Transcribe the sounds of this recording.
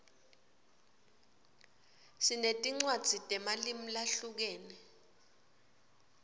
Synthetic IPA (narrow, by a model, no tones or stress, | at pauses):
sinetʼiŋ͡ǀwad̥z̥ʱitʼɛmalim̩laɬuk̬ɛːnɛ